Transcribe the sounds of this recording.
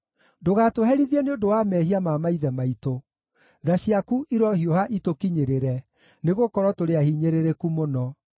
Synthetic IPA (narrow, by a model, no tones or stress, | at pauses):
doɣatoɦɛɾiðiɛneodowamɛːhiamamaiðɛmaito | ðaɕiakuʔiɾɔhiohaʔitokiɲeɾeɾɛ | neɣokɔɾwɔtoɾeahiɲeɾeɾekumonɔ